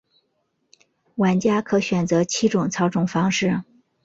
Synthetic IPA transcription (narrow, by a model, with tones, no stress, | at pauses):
wa˧˥nt͡ɕja˥kʰɤ˧˥ɕɥɛ˨˩nt͡sɤ˧˥t͡ɕʰi˥ʈ͡ʂʊ˨˩ŋt͡sʰɑ˧˥ʊʈ͡ʂʊ˨˩ŋfɑ˥ŋʂɻ̩˥˩